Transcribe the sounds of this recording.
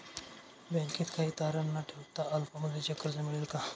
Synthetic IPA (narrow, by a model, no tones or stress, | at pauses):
bɛ̃ŋkiːt̪kʰaɦiːt̪aɾənːaʈʰewt̪aʔəlpaməd̪ʱet͡ɕəkːəɾt͡səmiɭelka